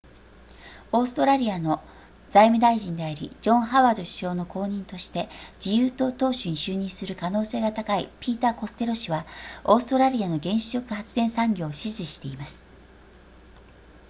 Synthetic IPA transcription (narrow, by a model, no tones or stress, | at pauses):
o̞ːsɨ̥t̪o̞ɾaɾʲiano̞ | d͡zaimɯ̟d̪aiʑĩnd̪e̞aɾʲḭd͡ʑõ̞ɰ̃ɦaβaːd̪oɕi̥ɕo̞ːno̞kʰo̞ːɲ̟ĩnt̪o̞ɕi̥t̪e̞d͡ʑijɯːt̪o̞ːt̪o̞ːɕɨɲ̟iɕɨːɲ̟ĩɰ̃sɨɾɯ̟kano̞ːse̞ːɡat̪akaipʲiːt̪ako̞sɨ̥t̪e̞ɾo̞ɕiβao̞ːsɨ̥t̪o̞ɾaɾʲiano̞ɡẽ̞ɰ̃ɕi̥ɕo̞kɯ̟̥hat͡sɨd̪ẽ̞ɰ̃sãŋɡʲo̞ːɕizɨɕi̥t̪e̞imasɨ̥